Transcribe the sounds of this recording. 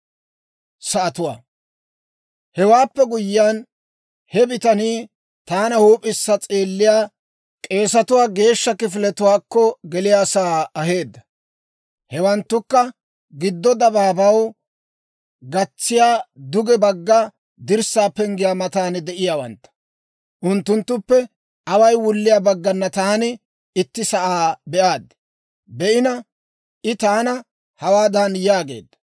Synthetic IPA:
sɐʔɐt̪ʊwa̰ː | hɛwaːpːɛɡʊjːɪjan | hɛbɪt̪ɐniː | t̪aːnɐhuːpʼɪsːɐt͡sʼeːlːɪjaː | kʼe̞ːsɐt̪ʊwaːɡe̞ːʃːɐkɪfɪlɛt̪ʊwaːkːɔɡɛlɪjaːsaːɐɦe̞ːd̪ːɐ̥ | hɛwɐnt̪ːʊkːɐ | ɡɪd̪ːɔd̪ɐbaːbɐw | ɡɐt͡sːɪjaːd̪ʊɡɛbɐɡːɐ | d̪ɪɾsaːpɛŋɡɪjaːmɐt̪aːnd̪ɛʔɪjaːwɐnt̪ːɐ̥ | ʔʊnt̪ːʊnt̪ːʊpːɛ | ʔɐwɐjwʊlːɪjaːbɐɡːɐnːɐt̪aːnɪ | ɪt̪ːɪsɐʔaːbɛʔaːd̪ːɪ̥ | bɛʔɪnɐ | ʔɪt̪aːnɐ | hɐwaːd̪anjaːɡe̞̰ːd̪ːɐ̥

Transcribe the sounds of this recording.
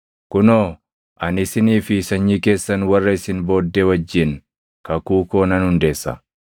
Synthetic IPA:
kʊnoː | ʔɐnɪsɪniːfɪsɐɲːiːke̞ːsːɐnwɐrːɐɪsɪnbo̞ːd̪ːewɐd͡ʒːɪn | kɐkuːkoːnɐnhʊnd̪e̞ːsːɐ̰

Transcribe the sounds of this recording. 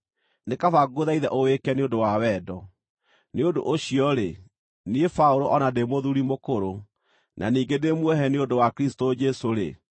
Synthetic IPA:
nekafaɡoðaiðɛʔowekɛneondowawɛːdɔ | neodo̰ʔoɕiɔɾe | niefaoɾoʔɔnademoðuɾimokoɾo | nʔa̰niːŋɡedemwɛɦɛneondowakɾistod͡ʒɛsoɾe

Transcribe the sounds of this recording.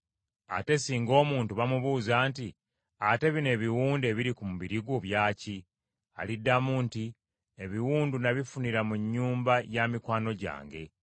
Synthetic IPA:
a̰te̞siːŋɡo̞ːmuːntuβamuβuːzaːnti | ate̞βine̞ːβiwuːnde̞βiɾikumuβiɾiɡoβjaːci | a̰lidːamuːnti | e̞βiwuːndunaβifuniɾamuɲːuːmbajamikwaːno̞ɟa̰ːŋɡe̞

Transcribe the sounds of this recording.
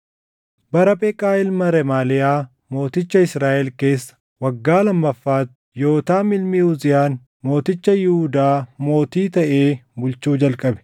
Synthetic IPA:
bɐɾɐpʼɛkʼːaːɪlmɐɾɛmaːlɪjaː | mo̞ːt̪ɪt͡ʃːɐɪsɾaːʔɛlke̞ːsːɐ̥ | wɐɡːaːlɐmːɐfːaːt̪ | jo̞ːt̪aːmɪlmiːhʊzɪjaːn | mo̞ːt̪ɪt͡ʃːɐjɪhud̪aːmo̞ːt̪iːt̪ɐʔeːbʊlt͡ʃuːd͡ʒɐlkʼɐbɛ̥

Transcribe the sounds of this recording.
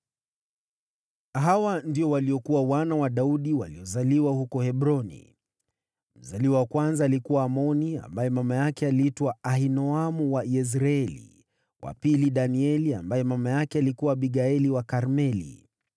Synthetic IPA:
ɦawandiɔwaliɔkuwawanawaɗauɗiwa̰liɔzaliwahukɔhɛɓɾɔnḭ | m̩zaliwawakwanzaːlikuwaːmɔnia̰mbajɛmamajakɛaliitwaahinɔamuwaiɛs̬ɾaɛlḭ | wʔa̰piliɗaniɛlia̰mbajɛmamajakɛalikuwaɓiɠaɛliwakaɾmɛlḭ

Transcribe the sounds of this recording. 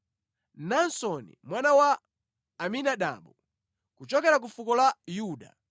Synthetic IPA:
nansɔnḭmwanawaː | minaɗa̰ːmbu | kut͡ʃɔkɛɾak̬ufukɔlajuːɗa̰

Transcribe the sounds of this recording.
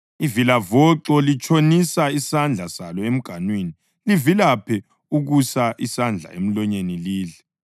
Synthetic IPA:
ivilavɔǁɔlit͡ʃʼʰonisaisand͡ɮʱasalɔem̩ɡ̥ʱanweni | livilapʰɛ | uɣusaʔisand͡ɮʱa̰em̩lɔɲeniliːɮɛ

